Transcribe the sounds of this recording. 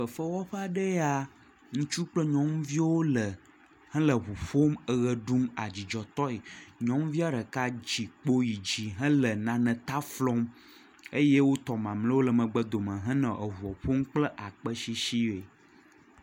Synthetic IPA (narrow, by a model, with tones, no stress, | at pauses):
ɸə˨fə˦wɔ˦ɸə˦a˨ɖə˦a˦ | ŋũ˦t͡ʃu˦k͡plə˦ɲɔ̃˦m˦vi˦wo˦lə˨ | hɛ̃˦lə˨βu˨ɸo˦mə˨ɣə˨ɖu˦ma˨d͡ʑi˨d͡ʒɔ˨t̪ɔ˦e˨ɲɔ̃˦m˦vi˦a˦ɖə˨ka˦d͡ʑi˨k͡po˦ji˨d͡ʑi˨ɦɛ̃˦lə˨nã˨nɛ̃˨t̪a˦flɔ˦m | e˦je˦wo˦t̪ɔ˨mã˨mlə̃˦wo˦lə˨mə̃˨ɡ͡bə˦d̪o˨mə̃˨ɦɛ̃˦nɛ̃˨ʔə˨ɦu˨ɔ˨ɸo˦m˦k͡plə˦ʔa˨k͡pə˦ʃi˦ʃi˦e˨